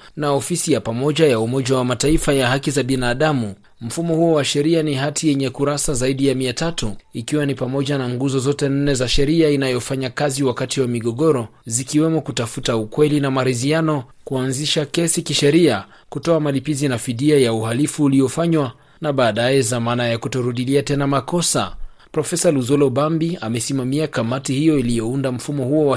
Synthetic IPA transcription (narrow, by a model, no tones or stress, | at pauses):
naɔfisijapamɔʄajaumɔʄawamataifajaɦakizaɓinaːɗamu | m̩fumɔhuɔwaʃɛɾianiɦatʰijɛɲɛkuɾasazaiɗijamiatatuikiwanipamɔʄanaŋɡuzɔzɔtɛn̩nɛzaʃɛɾiainajɔfaɲakaziwakatiwamiɠɔɠɔɾɔzikiwɛmɔkutafutaukwɛlinamaɾizianɔ | kuanziʃakɛsikiʃɛɾia | kutɔamalipizinafiðiajauhalifuːlijɔfaɲwa | naɓaːɗajɛzamanajakutɔɾuɗiliatɛnamakɔsa̰ | pɾɔfɛsaluzɔlɔbambiamɛsimamiakamatihijɔilijɔundam̩fumɔhuɔwa